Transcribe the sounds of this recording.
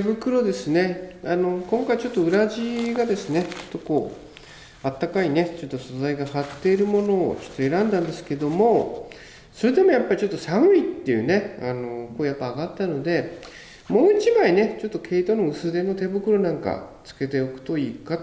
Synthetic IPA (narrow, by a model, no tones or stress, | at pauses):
ebɯ̟kɯ̟ɾo̞d̪e̞sɨne̞ano̞kõ̞ŋkait͡ɕo̞t̪ːo̞ɯ̟ɾaʑiɡad̪e̞sɨne̞t͡ɕo̞̥t̪ːo̞ko̞ː | at̪ːakaine̞t͡ɕo̞t̪ːo̞so̞zaiɡahat̪ːe̞iɾɯ̟mo̞no̞ːt͡ɕo̞̥t̪ːoe̞ɾãnd̪ãnd̪e̞sɨ̥ke̞d̪o̞mo̞ | so̞ɾe̞d̪e̞mo̞japːaɾʲit͡ɕo̞t̪ːo̞saɰ̟ʲit̪ːe̞jɯ̟ne̞ano̞ko̞ːjapːaːɡat̪ːano̞d̪e̞ | mo̞ːit͡ɕibaine̞t͡ɕo̞t̪ːokʰe̞it̪o̞no̞ɯ̟sɨd̪e̞no̞t̪e̞bɯ̟kɯ̟ɾo̞nãŋka̰t͡sɨ̥ke̞t̪e̞okɯ̟̥t̪o̞iːka